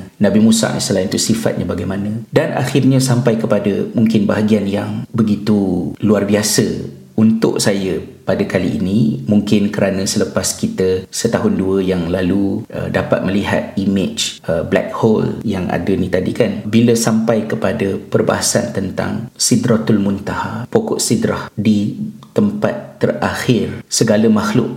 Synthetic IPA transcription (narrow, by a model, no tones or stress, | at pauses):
nãbimũsa̰ʔn̰səlaɪnt̪usifa̰t̪̚ɲʔabaɡajmãnə̃danʔa̰xɪrɲãsampajkəpadəmuŋkɪnbaɦaɡianjaŋbəɡit̪uluarbiasə | unt̪ʊ̰ʔsajəpadəkaliḭnĩmuŋkɪnkəɾanə̃sələpaskit̪əsət̪aɦʊnduəjaŋlaluə̰dapa̰t̪̚məliɦa̰t̪̚imɪt͡ʃəblɛ̰k̚hɔljaŋa̰dənĩt̪adikanbiləsampajkəpadəpərba̰ɦasa̰nt̪ənt̪a̰ŋsidɾat̪ʊlmunt̪ahapokɔʔsidɾahdit̪əmpat̪ːəraxɪrsəɡaləmaxlʊʔ̚